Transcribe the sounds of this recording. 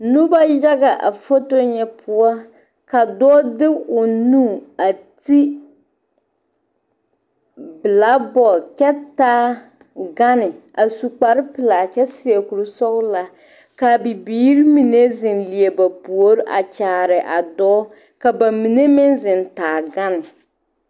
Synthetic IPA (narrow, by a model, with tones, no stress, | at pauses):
nʊ˦ba˦ja˦ɡa˨ʔa̰˨fo˦to˦ɲɛ˨pʊ˦a˦ | ka˨dɔː˦dɪ˦ʊ˨nuː˦˨a˨ti˦ | bɨ˨la˦bɔ˨kɛ˦taː˦ | ɡa˦nɪ˨ | a˨su˨k͡pa˨ɾɪ˦pɨ˨la˨t͡ʃɛ˦si˨ɛ˨ku˨ɾɨ˨sɔ˦ɣla˨ | ka˨bi˨biː˦ɾi˦mi˨ne˦zɪ˨nli˨e˨ba˨pu˨o˨˦ɾɪ˦ʔa̰˨t͡ʃaː˨ɾɪ˨ʔa˨dɔː˦ | ka˨ba˨mi˨ne˦mɪ˦nzɪ˨ntaː˨ɡa˦nɪ˨